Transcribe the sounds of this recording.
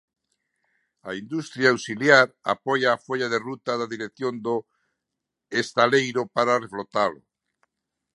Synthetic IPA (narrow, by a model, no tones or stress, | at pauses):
aind̪ust̪ɾjaːwsiljaɾa̰pojaːfoʎaðerut̪aðaðiɾekθjond̪o | est̪alejɾopaɾareflot̪alo